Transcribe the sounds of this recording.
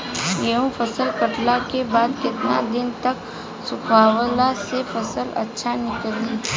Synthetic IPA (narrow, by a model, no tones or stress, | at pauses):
jeɦũfʰɐsəlkəʈlakebaːd̪kɪt̪na̰d̪ɪnt̪ɐk | sʊkʰaːwəlasefɐsəlɐ̰tːʃʰanɪkəli